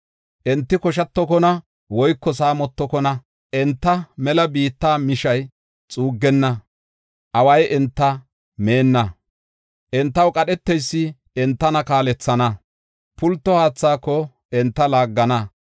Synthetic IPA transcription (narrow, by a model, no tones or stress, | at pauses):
ʔɛnt̪ːɪkɔʃɐt̪ːɔkɔnɐ | wɔjkːɔsaːmɔt̪ːɔkɔnɐ | ʔɛnt̪ːɐmɛlɐbiːt̪ːaːmɪʃɐj | t͡sʼuːɡːɛnːɐ | ʔɐwɐjʔɛnt̪ːɐ | me̞ːnːɐ | ʔɛnt̪ːɐwkʼɐɗɛt̪ːɛjsːɪ | ɛnt̪ːɐnɐkaːlɛt͡sːɐnɐ | pʊlt̪ːɔhaːt͡sːaːkːɔ | ɛnt̪ːɐlaːɡːɐnɐ